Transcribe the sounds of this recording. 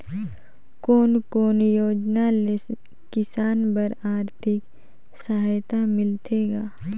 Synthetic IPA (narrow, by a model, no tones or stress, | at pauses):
koːnkoːnjoːd͡ʒnale | kːɪsaːnbəɾaːɾt̪ʰɪk | səɦaːjt̪amɪlt̪ʰeːɡaː